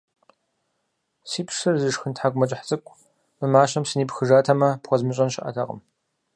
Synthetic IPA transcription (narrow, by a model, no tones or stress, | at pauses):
siːpʰʂɨrzɨʂxɨntħaɡʷmɐt͡ʃʼħt͡sʼɨkʷʼ | mɨmaːʃɐmsɨniːpxɨʒaːtʰɐmɐpχʷɔzmɨɕʼɐnʃɪʔɐ̰tʰɐ̰qə̰m